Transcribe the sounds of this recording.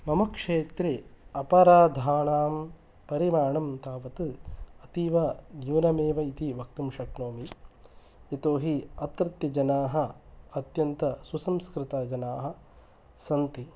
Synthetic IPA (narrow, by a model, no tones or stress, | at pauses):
mɐmɐkʂeːt̪ɾeɐpɐɾaːd̪ʱaːɳaːm | pɐɾimaːɳɐmt̪aːʋɐt̪ɨɐt̪iːʋɐd͡ʒiʋnɐmeːʋɐit̪iʋɐk̚t̪umʃɐkɳoːmi | jɐt̪oːɦiɐt̪ɾɐt̪jɐd͡ʒɐnaːɦɐɐt̪jɐnt̪ɐsusɐmskɾɪt̪aːd͡ʒɐnaːɦɐ̆ | sɐnt̪i